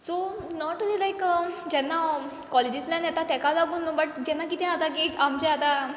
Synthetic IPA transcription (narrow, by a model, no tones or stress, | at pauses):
sonɔʈːulilajkəd͡ʑɛnːa | kɔled͡ʑisljãniat̪at̪ɛkalaɡuːnːubəʈ̚d͡ʑɛnːakit̪ɛ̃at̪aɡeamd͡ʑɛat̪a